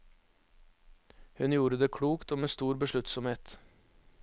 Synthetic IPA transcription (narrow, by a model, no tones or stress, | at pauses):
hʉnjuːɾəd̪eːkʰɽuːkt̪oːmeːst̪uːɾbəʂɭʉt̪sɔmheːt̪